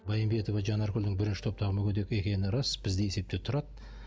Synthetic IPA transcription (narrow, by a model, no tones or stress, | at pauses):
bɑjimbe̞t̪o̞vɑʒɑnɑɾkʲʏld̪ɪŋbɪɾɪnʃɪ̥t̪ʰo̞p̚t̪ɑʁəmʏkʲʰed̪e̞kʲe̞kʲe̞nɪɾɑsb̥ɪzd̪ejese̞p̚t̪e̞t̪ʰʊɾɑd̪